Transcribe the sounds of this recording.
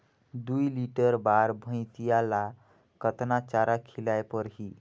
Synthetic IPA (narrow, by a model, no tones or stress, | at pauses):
d̪ujliʈəɾbaɾbʱə̃ɪ̃t̪ijala | kʌt̪nat͡ʃaɾakʰilajpəɾɦi